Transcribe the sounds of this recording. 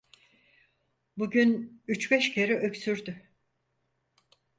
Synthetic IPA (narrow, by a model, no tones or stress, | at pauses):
buɟynyt͡ʃbɛʃcʰeɾɛʔøksyɾd̪y